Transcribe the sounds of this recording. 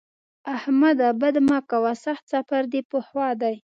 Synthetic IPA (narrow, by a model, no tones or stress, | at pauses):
ahmad̪abad̪makawasaxt̪safaɾd̪ipʊhwɑd̪aj